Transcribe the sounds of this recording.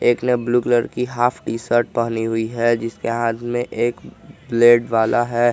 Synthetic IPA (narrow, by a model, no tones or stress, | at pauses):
eːknebluːkləɾkiɦaːpʰʈiːsəɾʈ̚pɐɦniɦʊiɦɛd͡ʒɪskeɦãːt̪ʰmẽʔeːkbleːɖʋaːlʔaɦɛː